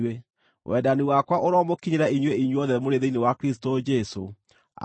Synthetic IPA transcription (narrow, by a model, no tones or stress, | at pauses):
we | wʔɛ̰daniwakwaʔoɾɔmokiɲeɾɛiɲweiɲweɔðɛmoɾeðeinewakɾistod͡ʒɛso̰